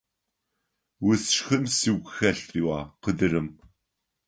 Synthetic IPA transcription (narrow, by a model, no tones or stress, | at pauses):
wʊsʃxɨnsiːwɡʷxɐɬriːwɑːqədɨɾɨm